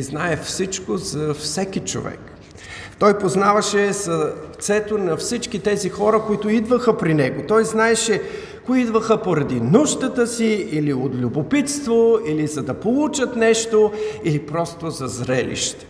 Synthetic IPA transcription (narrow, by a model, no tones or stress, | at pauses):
znaɛfsit͡ʃkozɐfsɛk̟it͡ʃo̰vɛ̰k | t̪ɔjpoznavɐʃɛzɐt̪sɛt̪onɐfsit͡ʃkit̪ɛzixɔɾəkoit̪ʊid̪vəxəpɾinɛɡot̪ɔjznaɛʃɛ | koiid̪vəxəpoɾɐd̪inuʃt̪ət̪əsiiliot̪lʲubopit̪st̪voilizɐd̪ɐpolˠut͡ʃət̪nɛʃt̪oilipɾɔst̪ozɐzɾɛlḭʃt̪ɛ̥